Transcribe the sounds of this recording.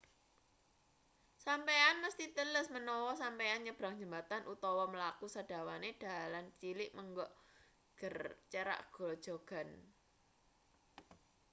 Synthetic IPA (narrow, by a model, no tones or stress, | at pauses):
sampeanməst̪it̪ələsmənɔwɔsampeanɲəb̥ɾaŋ̥d͡ʒə̤mbat̪anʔut̪ɔwɔməlakusad̥a̤waned̥a̤alant͡ʃilɪʔməŋɡɔʔ | ɡ̥ərt͡ʃəɾa̰ʔɡ̥ɔ̤ld̥ʒ̥o̤ɡ̥a̤n